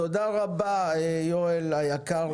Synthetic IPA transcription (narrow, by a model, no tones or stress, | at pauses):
od̪aʁabaejoelajakaʁ